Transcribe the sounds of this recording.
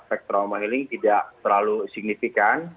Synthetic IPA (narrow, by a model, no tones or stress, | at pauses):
pɛk̚t̪ɾamaɦilɪŋt̪idaʔt̪ərlalusik̚nifikan